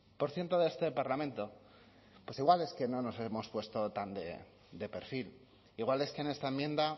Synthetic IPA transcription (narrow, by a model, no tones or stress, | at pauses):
po̞ɾθje̞nt̪oðeest̪e̞paɾlamẽnt̪o̞ | pwe̞siɣwale̞ske̞no̞no̞se̞mo̞spwe̞st̪o̞t̪and̪e̞ | d̪e̞pe̞ɾfil | iɣwale̞skene̞st̪aemjẽ̞nd̪a